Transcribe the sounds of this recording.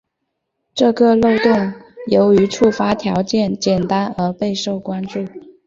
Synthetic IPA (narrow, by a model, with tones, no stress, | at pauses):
ʈ͡ʂɤ˥˧kɤ˥˧lo˥˧ʊt̪ʊ˥˩ŋjo˧˥ʊy˧˥ʈ͡ʂʰu˥˩fa˥t̪ʰjɑ˧˥ʊt͡ɕjɛ˥˩nt͡ɕjɛ˨˩nt̪a˥nə˞˧˥pe˥˧ɪʂo˥˩ʊkwa˥nʈ͡ʂu˥˩